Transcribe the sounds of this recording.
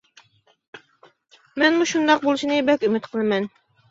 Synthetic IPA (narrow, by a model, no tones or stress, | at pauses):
mɛnmuʃund̪ɑq̚bolˠɨʃinɨbɛkʲymɪt̪qʰəlˠɨmɛn